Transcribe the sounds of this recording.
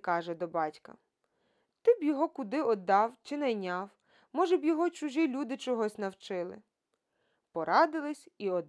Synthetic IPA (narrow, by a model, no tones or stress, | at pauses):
kɑʒɛd̪ɔbɑtʲkɐ̰ | t̪ɪbjɔɦɔkʊd̪ɪɔd̪ːɑwt͡ʃɪnɐjnʲɑw | mɔʒɛbjɔɦɔt͡ʃʊʒilʲud̪ɪt͡ʃɔɦɔsʲnɐwt͡ʃɪlˠɪ̰ | pɔɾʔɑd̪ɪlˠɪsʲiɔd̪